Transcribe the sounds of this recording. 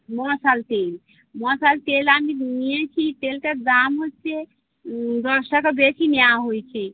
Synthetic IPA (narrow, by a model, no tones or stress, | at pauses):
mɔsalʈel | mɔsaltelaminiẽt͡ʃʰiʈelkəd̪amɦot͡ʃʰɛ | d̪əɾsakɔbet͡ʃʰinjaɦojt͡ʃʰɛ